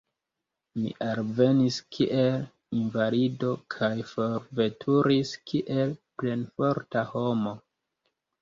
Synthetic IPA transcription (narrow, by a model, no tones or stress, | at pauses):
mḭʔalve̞niskʰiʔe̞l | invalido̞kʰajfoɾve̞tʰuɾiskʰiʔe̞lple̞nfo̞ɾtaho̞mo̞